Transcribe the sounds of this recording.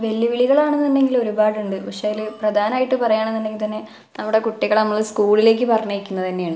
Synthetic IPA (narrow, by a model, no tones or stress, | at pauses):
ʋe̞lːiʋiɭiɣɐɭaːɳenːinːe̞ŋɡilo̞ɾubaːɽuɳɖɨʋɐʂaːjilprɐd̪ʱaːnaːjiʈːɨpɐrɐjaːɳenːinːeŋɡilt̪̬ɐnːe̞ | nɐmːuɽe̞kuʈːiɣɐɭnɐmːɐɭskuːɭile̞ːk̬ʲːɨpɐrɐɲːekʲːunːɐt̪ɐnːe̞jaːɳɨ